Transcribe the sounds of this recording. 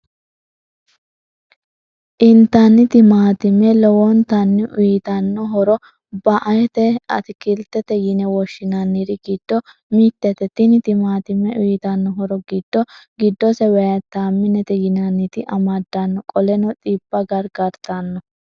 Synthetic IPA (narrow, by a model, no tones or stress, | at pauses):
ʔɪnt̪ːɐnːɪt̪ɪmaːt̪ɪmɛlɔwɔnt̪ɐnːɪʔʊjɪt̪ɐnːɔɦɔɾɔ | bɐʔɐjɛt̪ɛɐt̪ɪkɪlt̪ːɛt̪ɛjɪnɛwɔʃːɪnɐnːiɾɪɡɪd̪̥ːɔ | miːt̪ːɛt̪ɛt̪ɪnɪt̪ɪmaːt̪ɪmːɛʔʊjɪt̪ɐnːɔɦɔɾɔɡɪd̪̥ːɔɡɪd̪ːɔsɛwɛjɐt̪ːaːmːɪnɛt̪ɛjɪnɐnːɪt̪ɪʔɐmad̪ːanːɔkʼɔlɛnɔt̪ʼiːbːɐɡɐɾɡɐɾt̪anːɔ